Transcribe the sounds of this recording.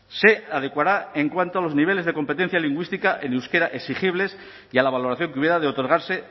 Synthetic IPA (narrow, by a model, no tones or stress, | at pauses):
se̞aðe̞kwaɾae̞ŋkwant̪oalo̞zniβ̞e̞le̞zð̞e̞ko̞mpe̞t̪e̞n̟θjaliŋɡwist̪ikaʔenewskeɾaʔe̞siχiβle̞s | jalaβ̞alo̞ɾaθjo̞ŋkeuβje̞ɾaðeo̞t̪o̞ɾɣaɾse̞